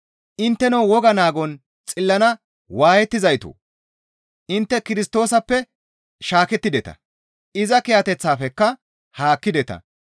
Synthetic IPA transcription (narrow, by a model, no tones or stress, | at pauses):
ʔɪnt̪ːɛnɐwwɔɡɐnaːɡɔn | t͡sʼɪlːɐnɐ | waːjɛt̪ːɪzɐjt̪o̰ː | ʔɪnt̪ːɛkɪɾɪst̪o̞ːsɐpːɛ | ʃaːkɛt̪ːɪd̪ɛt̪ɐ̰ | ʔɪzɐkɛjɐt̪ɛt͡sːaːfɛkːɐ | haːkːɪd̪ɛt̪ɐ̰